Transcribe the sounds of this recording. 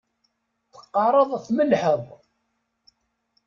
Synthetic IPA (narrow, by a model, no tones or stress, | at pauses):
θə̥qːɑrˤəðˤæθməlħəðˤ